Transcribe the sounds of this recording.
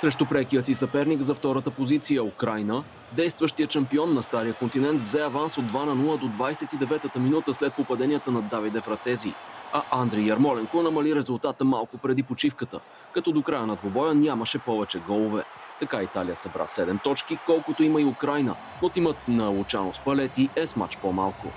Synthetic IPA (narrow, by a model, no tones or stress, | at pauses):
sɾɛʃt̪ʊpɾɛkijəsisɐpɛɾnikzɐft̪ɔɾət̪əpozit̪sijəʊkɾajnə | d̪ɛjst̪vəʃt̪ijətʃɐmpiɔnːɐst̪aɾijəkont̪inɛnt̪vzɛɐvansod̪vanɐnulˠəd̪od̪vajsɛt̪id̪ɛvɛt̪ət̪əminut̪əslɛt̪̚popɐd̪ɛnʲijət̪ənɐd̪avid̪ɛfɾɐt̪ɛzḭɐʔand̪ɾijɐɾmɔlɛŋkonɐmɐliɾɛzʊlˠt̪at̪əmalˠkopɾɛd̪ipot͡ʃifkət̪ə̰ | kɐt̪ɔd̪okɾajənɐd̪vobɔjənʲaməʃɛpɔvɛt͡ʃɛɡɔlˠovɛt̪ɐkait̪alijəsɐbɾa̰sɛd̪ɛmt̪ɔt͡ʃk̟ikɔlˠkot̪oiməiʊkɾajnə̰ | not̪imət̪nɐʊt͡ʃanospɐlɛt̪iɛsma̰t͡ʃpomalˠkʊ̰